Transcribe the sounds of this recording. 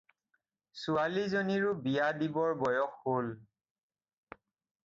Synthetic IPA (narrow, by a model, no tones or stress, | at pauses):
sualizoniɹʊbijadibɔɹbɔjɔxhol